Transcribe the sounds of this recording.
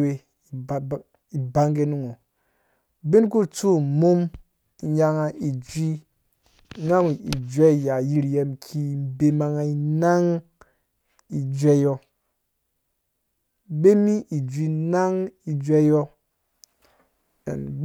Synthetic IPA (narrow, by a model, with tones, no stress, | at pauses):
we˦˨ | i˨ba˦ŋɡe˦nu˦ŋo˨ | bi˦nk̬u˦t͡su˦˨mu˦m˨ | ja˦ŋa˨i˨d͡ʒʷi˦ | ŋa˦ŋ˨i˨d͡ʒʷe˦˨ja˨ji˦ɾje˦mkʰi˦˨be˦ma˨ŋa˨i˨˦na˦ŋ | i˨d͡ʒʷe˦jo˦ | be˦mi˦ʔi˨d͡ʒʷi˦na˦ŋi˨d͡ʒʷe˦jo˦ | ḛ˨nb